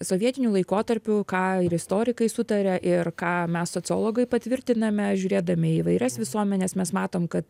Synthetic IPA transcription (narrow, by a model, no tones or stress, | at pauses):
soːʋʲiɛt̪ʲɪnʲuːlˠɐɪkoːt̪ɐɾʲpʲʊkɑːɪɾɪst̪oːɾʲɪkɐɪsʊt̪ɐɾʲɛʔɪrkɑːmʲɛssoːt͡ssʲɪo̰ːlˠoːɡɐɪpɐt̪ʲʋʲɪɾʲt̪ʲɪnɐmʲɛʒʲʊːɾʲeːd̪ɐmʲɪiːʋɐɪɾʲɛsʋʲɪsuɔmʲɛnʲɛsmʲɛsmɑːt̪oːmkɐt̪